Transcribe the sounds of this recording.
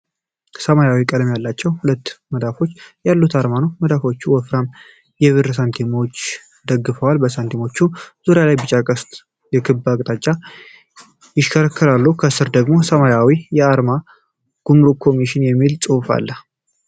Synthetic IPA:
səmajawikʼələmjalːat͡ʃːɛwhulət̪ːməd̪afo̞t͡ʃːjalːut̪ʰaɾmanowməd̪afo̞t͡ʃːuwɔfɾam | jɛβɨrsant̪ʰimo̞t͡ʃː | d̪əɡːɨfəwalbəsant̪ʰimo̞t͡ʃːuz̥oɾejalajbɨt͡ʃʼakʼəst̪ʼ | jɛkʰɨbːakʼt̪ʼat͡ʃʼːa | jɪʃkʰəɾəkʰːɨlalːukʰəsɨɾd̪əɡmo̞səmajawijɛaɾma | ɡ̥umɾukʰo̞miʃɪnjɛmːilt͡sʼɨfa̰lːə

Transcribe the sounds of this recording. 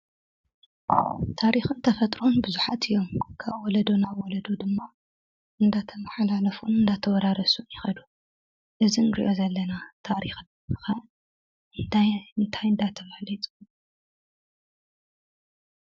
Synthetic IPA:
t̪ʰaɾixunt̪ʰɐfɐt̪ʼɾonbɨzuħat̪ʰɨjːomkʰaβwɔlɐd̪onawɔlɐd̪od̪ɨmːa | ʔɨnd̪at̪ʰɐmɐħalalɐfunɨnd̪at̪ʰɐwɔd̪aɾɐsunjɪxɐd̪u | ʔɨzinɨɾḭʔo̞zɐlːɐnat̪ʰaɾixnmɨxa | ɨnt̪ʰajnɨt̪ʰajɨnd̪at̪ʰɐβalit̪ʼu

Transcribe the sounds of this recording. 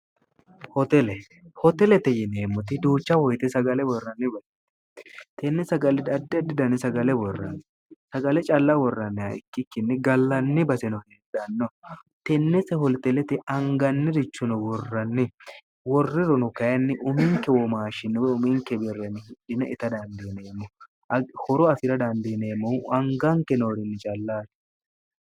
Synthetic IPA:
hɔt̪ɛlɛ | hɔt̪ɛlɛt̪ɛjɪneːmːʊt̪ɪd̪uːt͡ʃːɐwɔjt̪ɛsɐɡɐlɛwɔrːɐnːɪbɐs | t̪ɛnːɛsɐɡɐlɛd̪ɐd̪ːɐd̪ɪd̪ɐnɪsɐɡɐlɛwɔrːɐ̰nːɪ | sɐɡɐlɛt͡ʃʼɐlːɐwɔrːɐnːɪɐ̰ɪ̰kːɪkːɪnːɪɡɐlːɐnːɪbɐsɛnɔheᶑɐnːɔ | t̪ɛnːɛsɛhɔlt̪ɛlɛt̪ɪɐŋɡɐnːɪɾɪt͡ʃːʊnɔwɔrːɐnːɪ | wɔrːɪɾɔnʊkɐjɐnːɪʔʊmɪŋkɛwɔmaːʃɪnːɪwɛʊmiŋkɛbɛrːɛnɪhɪᶑɪnɐʔɪt̪ɐd̪ɐnd̪ineːmːɔ | hɔɾɔɐsɪɾɐd̪ɐnd̪ineːmːɔɐŋɡaŋkɛnoːɾɪnːɪt͡ʃʼɐlːaːt̪ɪ̥

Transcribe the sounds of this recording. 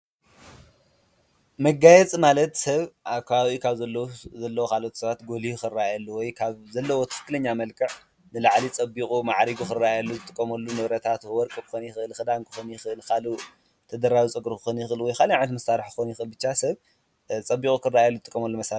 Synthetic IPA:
mɐɡajɛt͡sʼmalɐt̪sɐβʔakʰaawikʰaβzɐlːɐwzɐlːɐwokʰalot̪sɐβat̪ɡo̞lixɨrːaajalːuwɔjkʰaβzɐlːɐwot̪ʰɨ̥fɨ̥kːɨlɐɲːamɐlkʰɨʕ | nɨlaʕlit͡sʼɐbikʼumaʕɾiɡukɨrːaajalːuzɨt̪ʼɨkʼːɐmɐlːunɐβɾɐt̪ʰat̪wwɔɾkʼɨkʰɨ̥xonjɪxɨʔɨlxɨd̪aŋkʰɨ̥xonjɪxɨɨlkʰalu | t̪ʰɐd̪ɐɾawit͡sʼɨɡɾukɨ̥xonjɪxʔɨlwɔjkʰaliaʕnɐt̪mɐsaɾɨħkɨ̥xonjɪxʔɨlbɨt͡ʃːasɐβ | t͡sʼɐbːikʼukʰɨrajalːuzɨt̪ʼɨkʼːɐmɐlːumɐsaɾ

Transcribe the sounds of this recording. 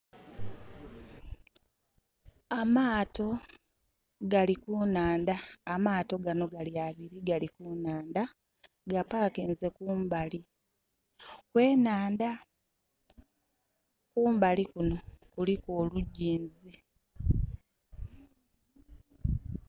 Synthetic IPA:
amaːto̞ | ɡalikuːnaːndaːmaːto̞ɡano̞ɡaliaβiɾiɡalikuːnaːnda | ɡapaːkeːnze̞kuːmbali | kwe̞ːnaːnda | kuːmbalikuno̞kulikoːluɟːiːnzi

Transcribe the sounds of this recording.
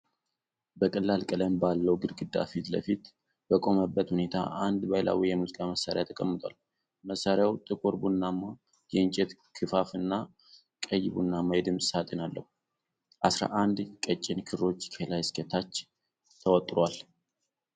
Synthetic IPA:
bəkʼəlːalkʼələmbalːəwɡɨɾɡɨd̪ːa̰fit̪lə̰fit̪ | bəkʼo̞məbːət̪hune̞t̪ʰa̰ʔand̪bajla̰wijɛmuzikʼaməsːaɾejat̪ʰːəkʼəmːɨt̪ʼa̰l | məsːaɾjawt̪ʼɨkʼoɾbunːamːa | jɛɨnt͡ʃʼɛt̪kʰɨfafɨnːa | kʼəjːbunːamajɛd̪ɨmsʼsat̪ʼenalːə̰hu | ʔasɾa̰ʔand̪kʼət͡ʃʼːɪnkʰɨro̞t͡ʃːkʰelajskʰət̪ʰat͡ʃː | t̪ʰəwɔt̪ʼɾal

